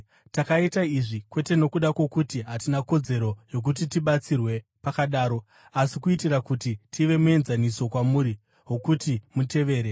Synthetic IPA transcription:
takaitaiʐikwe̞te̞no̞kuɗakwo̞kutiɦatinako̞d͡ze̞ɾo̞jo̞k̬ut̬itiɓat͡sirwe̞pakaɗaːɾo̞ | asikuitirakutitʰiʋe̞mue̞nzaniso̞kwamuːɾi | ɦo̞kutimute̞ʋe̞ːɾe

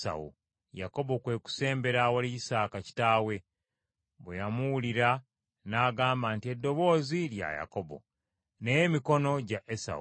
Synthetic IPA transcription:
sa̰ṵ | ja̰ko̞bokwe̞ːku̥se̞ːmbe̞ɾawaliisaːkaci̥taːwe̞ | βwejamuwuliɾa | naːɡaːmbaːntie̞dːo̞βo̞ːzilja̰ja̰ko̞bo̞̰ | ne̞jemiko̞no̞ɟaʔesa̰u

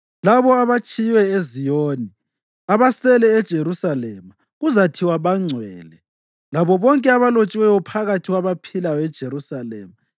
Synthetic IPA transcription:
laβɔaβat͡ʃʰʼijwɛezijoːni | aβasɛlɛːd̥ʒ̥ʱeɾusalɛma | ɣuzatʰiwaβaŋ͡ǀʱwɛ̰ːlɛ | laβɔβɔŋkʼɛaβalot͡ʃʼiwɛjɔpʰaɣatʰiɣwaβapʰilajɔɛd̥ʒ̥ʱeɾusalɛ̰ːma

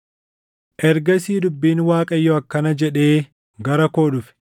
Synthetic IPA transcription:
ʔɛɾɡɐsiːd̪ʊbːiːnwaːkʼɐjːɔɐkːɐnɐd͡ʒɛᶑe̞ː | ɡɐɾɐko̞ːᶑʊfɛ̥

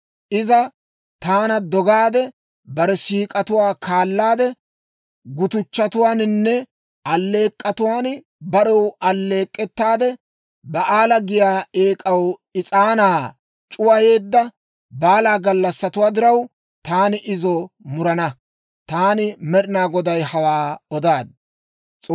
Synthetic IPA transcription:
ʔɪzɐ | t̪aːnɐd̪ɔɡaːd̪ɛ | bɐɾɛsiːkʼɐt̪ʊwaːkʰaːlːaːd̪ɛ | ɡʊt̪ʊt͡ʃːɐt̪ʊwaːnɪnːɛ | ɐlːe̞ːkʼːɐt̪ʊwaːn | bɐɾɛwɐlːe̞ːkʼːɛt̪ːaːd̪ɛ | bɐʔaːlɐɡɪjaːe̞ːkʼɐwɪt͡sʼaːnaː | t͡ʃʼʊwɐje̞ːd̪ːɐ | baːlaːɡɐlːɐsːɐt̪ʊwaːd̪ɪɾɐw | t̪aːnɪʔɪzɔmʊɾɐnɐ | t̪aːnɪmɛɗɪnaːɡɔd̪ɐjhɐwaːɔd̪aːd̪̚ | t͡sʼː

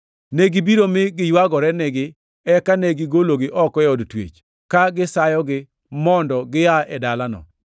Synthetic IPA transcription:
neɡibiɾomɪɡɪjwaɡɔɾɛneɡɪ | ɛkaneɡɪɡoloɡɪʔɔkɔɛɔdtwḛt͡ʃ | kaɡɪsajɔɡɪ | mɔndɔɡɪaɛdalanɔ̰

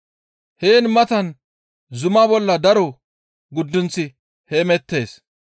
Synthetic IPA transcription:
heːnmɐt̪ɐn | zʊmaːbɔlːɐd̪ɐɾɔ | ɡʊd̪ːʊnt͡sːɪ | hemɛt̪ːe̞ːs

